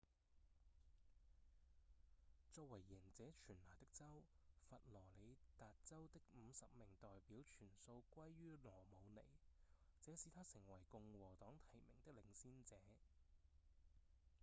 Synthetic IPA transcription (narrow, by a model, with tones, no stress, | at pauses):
t͡sɔː˧k̚wɐ˨˩jːɛ˨˩nt͡sɛː˨˥t͡ʃʰyː˨˩nlaː˨˩t̪ɪ˥k̚t͡sɐ˥wfɐ˨t̚lɔː˨˩le˨˧jt̪aː˨t̚t͡sɐ˥wt̪ɪ˥k̚m̩˨˧sɐ˨p̚mɪ˨˩ŋt̪ɔː˨jpiː˨˥wt͡ʃʰyː˨˩nso˧wkʷɐ˥jːyː˥lɔː˨˩mo˨˧wnḛ˨˩jt͡sɛː˨˥siː˨t̪ʰaː˥sɪ˨˩ŋwɐ˨˩jkʊ˧ŋwɔː˨˩t̪ɔː˨˥ŋt̪ʰɐ˨˩jmɪ˨˩ŋt̪ɪ˥k̚lɪ˧ŋsiː˥nt͡sɛː˨˦